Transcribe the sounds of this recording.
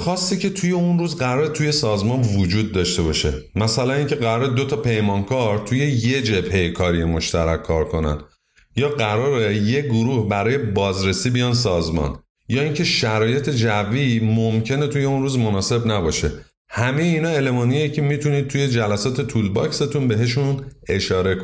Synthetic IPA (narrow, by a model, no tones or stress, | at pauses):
xɒːsːiːcʰe̞t̪ʰuje̞unruːzɢæɾɒːɾet̪ʰuje̞sɒːzmɒnvod͡ʒuːd̪̚ːɒʃt̪e̞bɒʃe̞̰mæsælæniːncʰe̞ɣæɾɒːɾed̪o̞t̪ʰɒpʰe̞jmɒnkʰɒɾt̪ʰuje̞je̞d͡ʒe̞b̥hejekʰɒːɾijemo̞ʃt̪æ̰ɾæ̰kʰːɒ̰ːɾkʰo̞næ̰n | jɒːɢæɾɒːɾeje̞ɡoɾuːhbæɾɒːje̞bɒːzɾe̞siːbijɒns̬ɒːzmɒ̰n | jɒːiŋcʰe̞ʃæɾɒːje̞t̪ʰe̞d͡ʒævːimomcʰe̞ne̞t̪ʰuje̞unɾuːzmo̞nɒːse̞bnæbɒːʃe̞̰ | hæme̞jeiːnɒːe̞lemɒːnijjecʰemit̪ʰuniːd̪̚t̪ʰuje̞d͡ʒælæsɒːt̪ʰe̞t̪ʰuːlbɒkse̞t̪ʰunbe̞ɦe̞ʃ̬une̞ʃɒːɾe̞kʰo